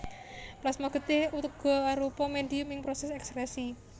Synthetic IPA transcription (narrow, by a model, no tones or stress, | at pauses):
plasmaɡ̥ə̤t̪ɪhut̪əɡ̥ɔ̤aɾupɔmeɖ̪iumɪŋpɾɔsɛsɛkspɾɛsi